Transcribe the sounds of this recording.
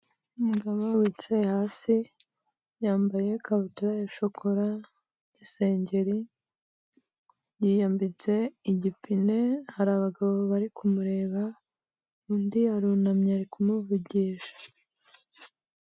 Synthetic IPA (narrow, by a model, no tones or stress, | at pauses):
umuɡamawiːt͡ʃajehaːsi | jaːmbaje̞kʰaβutuɾajeʃokʰoɾa | jese̞ːɲɟe̞ɾi | jiːjambit͡se̞iɟipine̞haɾaːβaɡaβo̞βaɾikʰumuɾe̞ːβa | undiaɾunamɲaɾikumuvuɟiːʃḁ